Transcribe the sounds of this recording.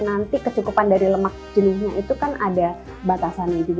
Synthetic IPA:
nant̪ikət͡ʃukupandaɾiləmak̚d͡ʒənɪsɲuʔit̪ukanʔada | bat̪asanad͡ʒub

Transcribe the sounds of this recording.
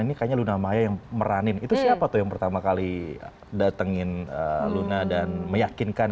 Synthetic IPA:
inikajaɲalunamajajaŋməɾanɪnit̪usiapat̪ʊhjaŋpərt̪amakali | dat̪əŋɪnə̰lunadanməjakinkan

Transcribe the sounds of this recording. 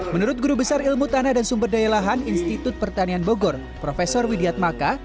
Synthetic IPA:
mənuɾʊt̪̚ɡuɾubəsarilmut̪anadansumbərdajalaɦaninst̪it̪ʊt̪̚pərt̪anianboɡɔr | pɾofesɔrwidiat̪̚maka

